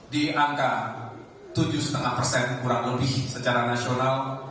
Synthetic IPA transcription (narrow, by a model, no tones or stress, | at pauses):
diʔaŋka | t̪ud͡ʒuhsə̥t̪əŋahpərsɛnkuɾaŋləbɪhsət͡ʃaɾanasional